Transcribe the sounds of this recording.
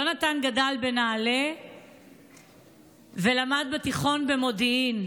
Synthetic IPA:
onatanɡadalbe̞naːle | ve̞lamad̪̚betiχo̞nbe̞mo̞diin

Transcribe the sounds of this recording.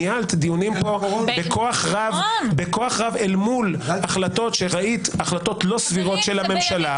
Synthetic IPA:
jalt̪d̪ijunimpo̞bekʰoaχʁavbeko̞aχʁavelmulaχlat̪o̞tʃeʁaʔit̪aχlat̪o̞t̪lo̞sviʁo̞tʃe̞lhame̞mʃala

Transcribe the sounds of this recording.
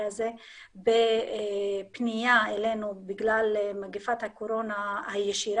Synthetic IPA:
aze | be | pnijaelenubiɡlalmaɡefat̪hakoɾo̞nahajeʃiɾ

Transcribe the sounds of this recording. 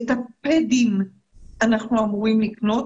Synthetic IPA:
t̪aped̪im | anaχnuamuʁimlikno̞t

